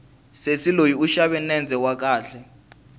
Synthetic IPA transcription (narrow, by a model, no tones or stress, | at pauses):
sesilojiuʃaɓɛnɛnd͡zʱɛwak̬aːɬɛ